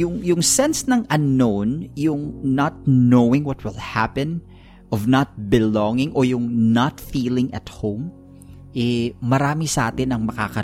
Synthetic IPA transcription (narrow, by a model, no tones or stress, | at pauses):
jʊŋjʊŋsɛnsnɐŋʔɐnːownjʊŋnɐt̪̚nowɪ̃ŋwɔt̪̚wɪlˠhapɛ̃n | ʔɔvnɐt̪̚bɪlɔŋɪŋʔojʊŋnɐt̪fiːlɪŋʔɐ̰t̪̚hõwm | ʔɛmɐɾaːmisɐʔaːt̪ɪnɐŋmɐka̰kɐ